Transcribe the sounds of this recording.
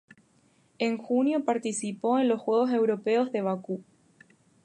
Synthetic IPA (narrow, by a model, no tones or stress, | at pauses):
eŋxunjo̞paɾt̪isipo̞enlo̞sxwe̞ɣ̞o̞s̬e̞wɾo̞peo̞zðe̞βaku